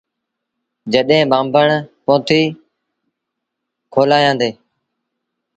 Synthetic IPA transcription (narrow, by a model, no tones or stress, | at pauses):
d͡ʒəɗɦẽːɓãːmbəɳpõːt̪ʰiː | kʰoːlaːjãːnd̪eː